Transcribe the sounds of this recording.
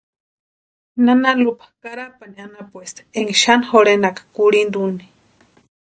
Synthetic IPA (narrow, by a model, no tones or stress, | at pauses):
nanalupʰḁkaɾapanianapwest̪eŋɡiʃanhoɾenakḁkuɽind̪uni̥